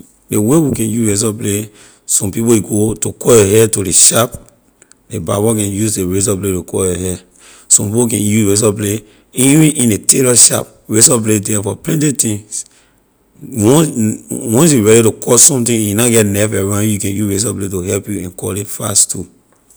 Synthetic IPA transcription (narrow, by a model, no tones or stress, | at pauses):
dewewikɛ̃njuɹes̬ɔble | sɔ̃mpipojiɡotokʰɔjɔɦɛtoɾeʃap | debabɔkɛ̃njuzdeɹes̬ɔbletokʰɔjɔhɛ | sɔ̃mpipokɛ̃njuɹes̬ɔble | iĩʔĩnetelɔʃa̰p | ɹesɔbledɛfɔplɛ̃ntitĩŋs | wɔ̃nwɔ̃ns̬juɹɛɾitokʰɔsɔ̃mtĩjunaɡɛtnɛfɛɹãnjukɛ̃njuɹes̬ɔbletohɛlpjuɛ̃nkɔlitfa̰stʰu